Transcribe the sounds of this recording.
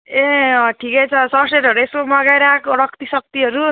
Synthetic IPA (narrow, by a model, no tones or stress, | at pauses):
eʌʈʰikʌjt͡sʰʌsʌseʈɦʌɾueskomʌɡajɾakoɽʌkt̪isʌk̚t̪iɦʌɾu